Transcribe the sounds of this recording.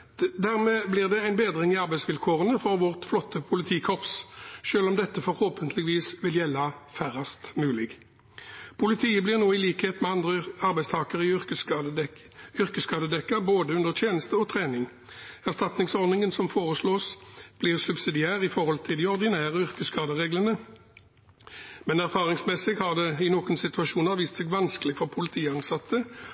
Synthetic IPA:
d̪æʁmeːblɪʁd̪ɛæɪnbeːd̪ʁɪŋɪɑʁbæɪsʋɪlkʰoːʁənəfɔʁʋɔʁt̪flɔt̪ːəpʰʊlɪt̪ʰiːkʰɔpsʃøːlɔmd̪ɛt̪ːəfɔɾhoːpənt̪lɪɡəʋiːsʋɪljɛlːɑfæʁɑst̪mʉːlɪɡ | pʰʊlɪt̪ʰiːəblɪʁnoːɪliːkheːt̪mɛɑnd̪ʁəɑʁbæɪst̪ʰɑːkəʁɪʏʁkə | ʏʁkəskɑːd̪əd̪ɛkːəboːd̪əʉnd̪əʁt̪ʰjeːnəst̪əɔt̪ʰʁeːnɪŋ | æʁst̪ɑt̪nɪŋsɔʁd̪nɪŋənsɔmfoːʁəsloːsb̥lɪːʁsʉbsɪd̪ɪæːʁɪfɔʁhɔlt̪ʰɪld̪ɪɔʁd̪ɪnæːʁəʏʁkəskɑːd̪əʁeːɡlənə | mɛnæʁfɑːʁɪŋsmɛsɪɡhɑʁd̪ɛɪnoːkənsɪt̪ʉɑʃuːnəʁʋiːst̪sɛɡʋɑnskəlɪɡfɔʁpʰʊlɪt̪ʰiːəɑnsɑt̪ʰːə

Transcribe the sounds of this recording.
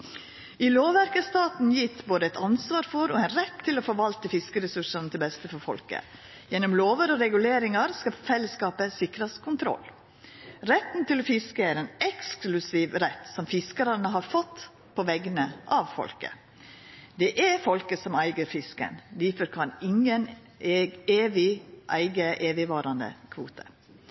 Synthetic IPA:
ɪloːʋæɾkəst̪ɑːt̪n̩jɪt̪boːd̪əɛt̪ɑnsʋɑːɾfɔɾɔænɾɛt̪ʰːɪlɔfɔɾʋɑlt̪əfɪskəɾəsʉʂɑnət̪ʰɪlbɛst̪əfɔɾfɔ̰lkə̰ | jɛnɔmloːʋəɾɔɾɛɡʉleːɾɪŋɑɾskɑfɛlːəskɑːpəsɪkɾɑskʰʊnt̪ʰɾɔ̰lː | ɾɛt̪nt̪ɪlɔfɪskəæɾɛnɛksklʉsiːʋɾɛt̪ːsɔmfɪskəɾɑnəɦɑɾfɔt̪ː | pʰɔʋɛɡənəʔɑʋfɔ̰lkə̰ | d̪ɛʔɛɾfɔlkəsɔmæɪɡəɾfɪskə̰nd̪iːfɔɾkʰɑnɪŋənː | eːʋɪʔæɪɡəʔeːʋɪʋɑːɾɑnd̪ə̰kʰʋṵːt̪ʰə

